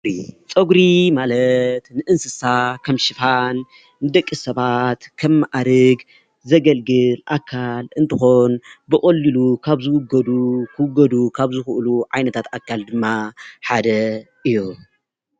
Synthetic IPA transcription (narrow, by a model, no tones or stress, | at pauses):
it͡sʼɐɡɾimalɐt̪nɨʔɨnsɨsakʰɐmʃɪfanː | ɨd̪ɐkʼːisɐβat̪kʰɐmːaʔaɾɨɡ | zɐɡɐlɡɨlʔakʰːalʔɨnt̪ʰɨxonbɨχʼɐlːilukʰaβzɨwʊɡːɐd̪ukʰɨwʊɡːɐd̪ukʰaβzɨxɨʔluʕajnɐt̪ʰat̪akʰːald̪ɨmːaħad̪ɐ | ʔɨjːu